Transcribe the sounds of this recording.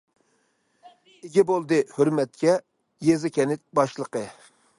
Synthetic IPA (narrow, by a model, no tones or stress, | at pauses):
ɪɡʲɛbolˠd̪ɨhøɾmɛt̪̚kʲɛ | jezɪkʲʰɛnɪt̪̚bɑʃlˠəqə